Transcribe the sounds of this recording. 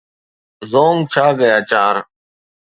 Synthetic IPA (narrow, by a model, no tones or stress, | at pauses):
zoːŋt͡ʃʰaːɡəjaːt͡ʃaːɾ